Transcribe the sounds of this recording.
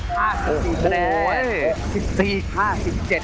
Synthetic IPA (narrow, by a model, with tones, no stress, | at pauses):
haː˥˩si˨siː˨˩˧lɛː˦ | si˨˩p̚siː˨˩haː˥˩si˨˩p̚t͡ɕe˨˩